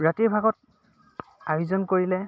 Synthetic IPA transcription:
ɹatiɹbʱaɡɔt̚ | ajuzɔnkoɹilɛ

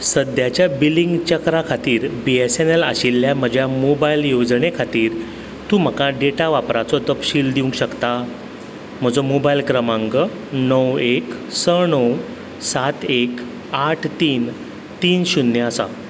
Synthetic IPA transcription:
səd̪jat͡ɕjabiliŋɡt͡ɕəkɾakʰat̪iːɾbiesenela̰ɕilːjam̤əd͡ʑʱjamobailjod͡zɳekʰat̪iːɾ | t̪ũːm̤əkãɖeʈaʋapɾat͡sɔt̪əpɕiːld̪iũŋkɕəkt̪a | m̤əd͡zomobailkɾəmãŋɡə | nəweksəɳəw | sat̪ek | aʈʰt̪iːn | t̪iːnɕunːjəəsa̰

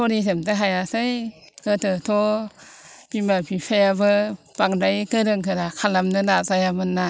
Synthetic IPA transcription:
oɾisɯmtaɦajasaj | kətʰɯtʰo | bimapʰipʰajabɯb̥aŋdajkɯɾɯŋkʰɯɾakʰalamnɯnazajamɯnːa

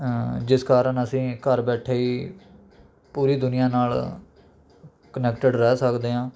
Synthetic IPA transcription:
d͡ʒɪskaːɾəɳəsĩːkəɾbɛːʈʰeːiː | puːɾiːd̪ʊnɪjãːnaːl | kənɛːkʈəɖɾɛːsəkd̪eːãː

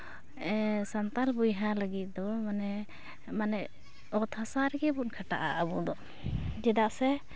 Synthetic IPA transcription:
ɛsant̪albujɦaləɡit̪̚d̪ɔmanɛ | manɛ | ɔt̪ʰasaɾɛɡɛbunkʰaʈa̰ʔa̰ʔəbud̪ɔ | d͡ʒɛd̪aʔsɛ

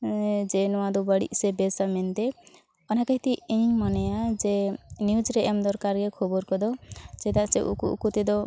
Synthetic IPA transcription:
d͡ʒenɔwad̪ubaɽḭʔsebesament̪e | ɔnakaɦit̪ieĩmɔnejad͡ʒenjud͡ʒɾeʔemd̪ɔɾkaɾkekʰɔbɔɾkɔd̪ɔd͡ʒed̪aseʔṵkuṵkut̪id̪ɔ

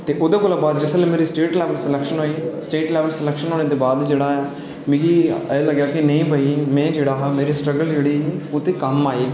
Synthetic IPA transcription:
t̪eːʔʊd̪eːkoːlaːbaːd̪d͡ʒɪsəlẽːmeːɾiːsʈeːʈlɛːʋəlsəlɛːkʃənɦoːiːsʈeːʈlɛːʋəlsəlɛːkʃənɦoːneːd̪eːbaːd̪d͡ʒeːɽaːɛː | mẽːɡiːɛːləɡjaːkɪnəĩːbʱaːiːmɛ̃ːd͡ʒeːɽaːɦmeːɾiːsʈɾəɡəld͡ʒeːɽiːiːʊt̪eːkəmːaːeː

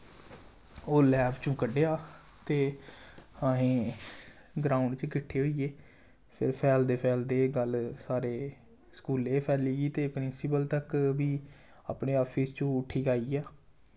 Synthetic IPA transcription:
oːlɛːbt͡ʃũːkəɖeːaː | t̪eː | əɦẽː | ɡɾaːʊ̃ɳɖt͡ʃkɪʈʰːeːɦoːieː | pʰɪ̰ɾpʰɛːld̪eːpʰɛːld̪eːɡəlsaːɾeː | skuːleːpʰɛːliːɡiːt̪eːpɾɪnsɪpəlt̪əkbiː | a̰ːpɳeːɔːpʰist͡ʃõːʊʈʰːiːkaːiːɛː

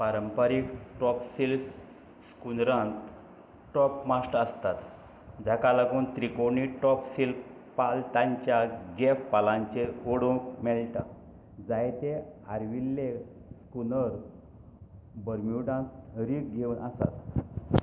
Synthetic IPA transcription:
paɾəmpəɾikʈɔpsils | skunɾãnt̪ | ʈɔpmasʈəst̪at̪ | d͡zakalaɡuːnt̪ɾikoniʈɔpsil | palt̪ãɲt͡ɕjaɡefpalãɲt͡ɕeoɽũkmɛɭʈã̰ | d͡zajt̪eaɾʋilːe | skunəɾ | bəɾmuɖãnt̪ɾiːk̚ɡʱeuːnʔasa̰t̪

